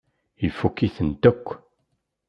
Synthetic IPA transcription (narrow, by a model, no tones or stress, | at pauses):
ifukːiθənt̪əkʷː